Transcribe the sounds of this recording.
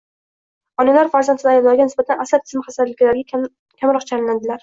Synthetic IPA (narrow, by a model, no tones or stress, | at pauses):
ɒnalaɾfaɾzant̪ʰɪnɪajblaɾɡʲanɪsbat̪ʰanasat̪̚ʰɪ̥smɪχasaɾlɪkʲlaɾɡʲa | kʲʰamɾɒqt͡ʃʰalɪnad̪ɪlaɾ